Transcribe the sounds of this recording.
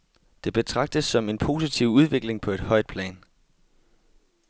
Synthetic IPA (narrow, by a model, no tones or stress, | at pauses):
d̥e̝b̥e̝t͡sʰʁɑ̈ɡ̥̚d̥əsːɒ̽me̝npʰo̝̰ːsit͡sʰiʊ̰uð̞ˠʋe̝ɡ̥le̝ŋpʰɒ̽e̝d̥hɒ̽ɪ̰d̥̚pʰlɛ̰ːn